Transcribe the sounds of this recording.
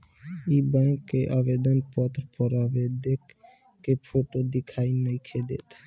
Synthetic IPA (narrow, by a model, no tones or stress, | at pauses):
ibãŋkːeʔabed̪ɔnpɔt̪ɾpɔɾabed̪ekː | epʰoʈod̪ikʰajnəjkʰed̪ḛt̪ʰ